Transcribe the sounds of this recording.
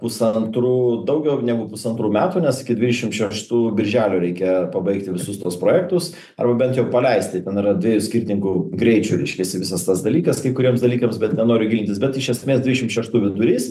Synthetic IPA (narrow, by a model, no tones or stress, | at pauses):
pʊsɐnt̪ɾuːd̪ɐʊɡʲɛʊnʲæɡʊpʊsɐnt̪ɾuːmʲæːt̪uːnʲɛsɪkʲɪdʲʋʲɪːd̪ʲɛʃʲɪmt̪ʃʲɛʃt̪uːbʲɪɾʲʒʲæːlʲuːɾʲɛɪkʲɛpɐbɐɪkt̪ʲɪʋʲɪsʊst̪uɔspɾoːjɛk̚t̪ʊs | ɐ̰rbɐbʲɛnt̪jɛʊpɐlʲɛɪsʲt̪ʲɪt̪ʲɛnɪɾɐd̪ʲʋʲiːjusʲkʲiɾʲt̪ʲɪnʲɪŋkʊɡɾʲɛɪt͡ʃʲuɾʲɛɪʃʲkʲɛsʲɪʋʲɪsɐst̪ɐsd̪ɐlʲiːkɐskɐɪkʊɾʲiɛmsd̪ɐlʲiːkɐmsbʲɛt̪nʲɛnoːɾʲɪɡʲɪlʲɪnt̪ʲɪsbʲɛt̪ɪʃʲɛsʲmʲeːsd̪ʲʋʲɪdʲɛʃɪmʃʲɛʃt̪uːʋʲɪd̪ʊɾʲiːs